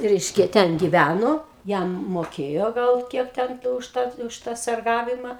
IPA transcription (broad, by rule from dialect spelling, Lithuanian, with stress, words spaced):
ˈrʲɛɪʃʲkʲɛ ˈtʲɛn ɡʲɪˈʋʲænoː ˈjɛm moːˈkʲeːjoː ˈɡɐlˠ ˈkʲiɛk ˈtʲɛn kɐɪ ʊʃ ˈtɑː ʊʃ ˈtɑː sɐrˈɡɑːʋʲɪmɐ